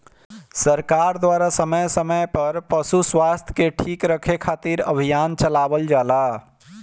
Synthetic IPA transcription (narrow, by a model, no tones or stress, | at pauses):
səɾkaɾd̪waɾasəməjsəməjpəɾpəsuswast̪ʰjkeʈʰikɾəkʰekʰat̪iɾə̰bʱijant͡ʃəlabəld͡ʒala